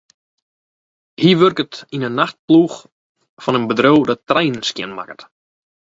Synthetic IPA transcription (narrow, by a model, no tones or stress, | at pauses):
hiəʋørkətinənːaxt̚pluːx | fɔnənbədrowdɔtːrɛjnnskjɪ̰nma̰kət